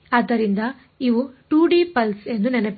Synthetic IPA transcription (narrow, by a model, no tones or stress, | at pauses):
ɐd̪ːɐɾind̪ɐ | iʋuʈuːɖipɐlse̞nd̪unɛnɐp